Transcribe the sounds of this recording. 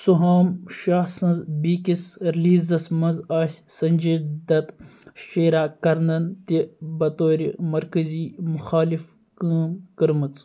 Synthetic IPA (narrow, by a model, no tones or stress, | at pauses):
suɦaːmʃaːhsɐnzbiːkisɾiliːzɐsmɐnzaːsʲsɐnʲd͡ʒid̪ɐt̪ʃeːɾaːkɐɾnɐnt̪ibɐt̪oːɾʲimɐɾkəziːmʊxaːlif | kɨːmkəɾmɨt͡s